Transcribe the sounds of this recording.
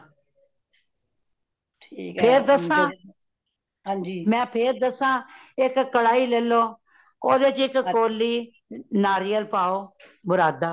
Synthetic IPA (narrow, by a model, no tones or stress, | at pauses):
ʈʰiːkpʰeːɾd̪əsãː | d͡ʒimɛ̃ːpʰeːɾd̪əsãːɪkːəɽaːiːlɛːloː | oːd̪eːt͡ʃɪkkoːlːiː | naːɾiːəlpaːoː | bʊɾaːd̪aː